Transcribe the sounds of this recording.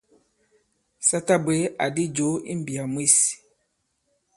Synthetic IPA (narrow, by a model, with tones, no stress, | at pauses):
sa˦ta˦be˦a˨di˦d͡ʒo˨˦ḭ˦m˦bi˨a˨mwi˦s